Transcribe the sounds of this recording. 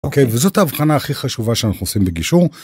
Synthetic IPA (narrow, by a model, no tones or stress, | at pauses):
okejvezo̞taːvχanaːχiχaʃuvaʃeanaχnuosimbeɡiʃuʁ